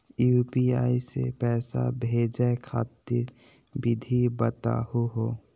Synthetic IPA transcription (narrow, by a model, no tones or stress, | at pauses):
juːpiaːisḛpɛːsa̰bʱeːd͡ʒakʰaːt̪ɪɾ | bɪd̪ʱibət̪a̰ɦuɦo